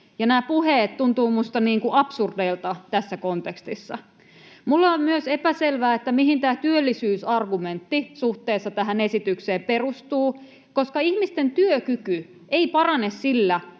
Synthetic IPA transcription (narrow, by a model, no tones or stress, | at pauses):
jɑnæːpuheːt̪t̪unt̪uːmust̪ɑniːŋkuʔɑpsurdeilt̪ɑt̪æsːækont̪ekst̪isːɑ̰ | mulːeommyøsepæselʋæːet̪ːæmiɦint̪æːt̪yølːisyːsɑrɡument̪ːisuht̪eːsːɑt̪æɦænesit̪ykseːperust̪uː | koskɑihmist̪ent̪yøkyky | eipɑrɑnessilːæ